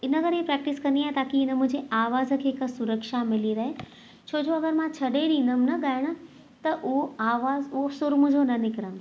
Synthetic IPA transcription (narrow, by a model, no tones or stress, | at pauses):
ɪnəkɐɾepɾɛːk̚ʈɪskɐ̃nd̪iaːɦet̪aːkiɪnəmʊ̃ɦɪ̃ɲd͡ʑeʔaːʋaːzə̆kʰeːɦɪksʊɾəkʃamɪliɾɐɦe | t͡ɕʰoːd͡ʑoɐɡəɾmãt͡ɕʰɐɽeɾĩːnəmnɐɠaːɪɽ̃ʊ̆ | t̪ɐʔʊɦoaːʋaːzʊɦoɐfsʊɾmʊ̃ɦɲd͡ʑʱonɐnɪkɾən